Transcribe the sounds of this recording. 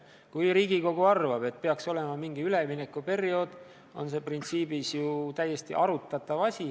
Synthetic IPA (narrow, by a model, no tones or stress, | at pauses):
kujɾiːɡ̥iko̞ɡ̥uɑrvɑbe̞t̪̚pe̞ɑkso̞le̞mɑmiŋɡ̥iyle̞mine̞kːˑupe̞rio̞d̪̥ | o̞̰nse̞print̪siːbisjut̪æjːe̞st̪ḭʔɑɾut̪ːˑɑt̪ːˑɑvɑsʲi